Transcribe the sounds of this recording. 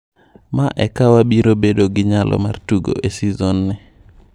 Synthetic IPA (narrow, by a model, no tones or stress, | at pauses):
maʔɛkawabiɾobedoɡɪɲalʔɔ̰ma̰rtuɡo̰ʔesizonːɛ